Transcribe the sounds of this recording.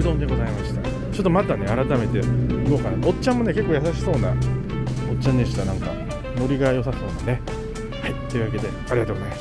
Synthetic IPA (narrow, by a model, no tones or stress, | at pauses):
d̪õ̞ːnd̪e̞ɡo̞zaimaɕi̥t̪a | t͡ɕo̞t̪ːomat̪ane̞aɾat̪ame̞t̪e̞ɯɡokanao̞t͡ɕãmːo̞ne̞ke̞kːojasaɕi̥so̞ːna̰ | ot͡ɕãɲ̟ːeɕi̥t̪anãŋka̰ | no̞ɾʲiɡajo̞saso̞̰ːnane̞ | hait̪ːe̞iɯ̟βak̬e̞d̪e̞aɾʲiɡat̪oɡozaemḁs